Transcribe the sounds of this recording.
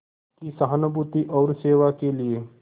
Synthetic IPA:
kisɐɦənobut̪iʔɔːɾseːʋakelie

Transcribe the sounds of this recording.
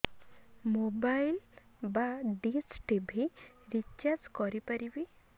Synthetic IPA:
mobajlbaɖisʈibʱiɾit͡ʃaskɔɾipaɾibi

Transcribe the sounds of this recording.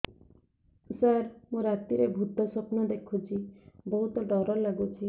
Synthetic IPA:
saɾmũɾat̪iɾebʱud̪ʱːɔsɔpnɔd̪ekʰut͡ʃʰibɔɦut̪ɔɖɔɾɔlaɡut͡ʃʰi

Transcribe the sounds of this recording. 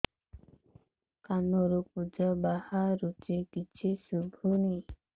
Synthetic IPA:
kanuɾup̚ud͡ʒəbahaɾut͡ʃekit͡ʃʰisubʱuni

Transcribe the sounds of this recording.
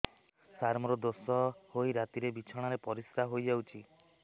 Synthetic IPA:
saɾmɔɾɔd̪osɔhoiɾat̪iɾebit͡ʃʰɔɽ̃aɾepɔɾist̪aɦojd͡ʒawt͡ʃʰi

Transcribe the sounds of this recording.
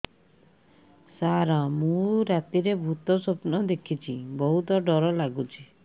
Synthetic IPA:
saɾamũɾat̪iɾebʱut̪ɔsopnɔd̪ekʰit͡ʃʰibɔɦut̪ɔɖɔɾɔlaɡut͡ʃʰi

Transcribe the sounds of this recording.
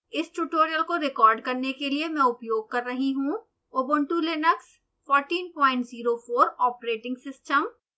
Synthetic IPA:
ɪsʈuːʈoːɾijəlkoɾɪkɔːɾɖkɐɾnekeliemɛ̃ʊpjoːɡ̚kɐɾːɐɦiɦũ | oːbə̃ɳʈulɪnəks | fɔːɾʈiːnpɔ̃ːɪ̃ɳʈziːɾofʰoːɾɔːpɾeːʈɪ̃ŋɡsɪsʈəm

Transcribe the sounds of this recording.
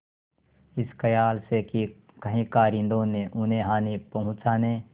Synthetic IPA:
ɪskəjaːlseki | kəɦĩkaːɾɪ̃nd̪õneʔʊnẽɦaːnepɐɦʊ̃t͡ʃaːneː

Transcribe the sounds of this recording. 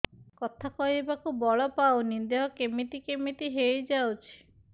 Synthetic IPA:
kɔt̪ʰakɔɦibakubɔɭɔpawnind̪eɦɔkemit̪ikemit̪iɦejd͡ʒawt͡ʃʰi̥

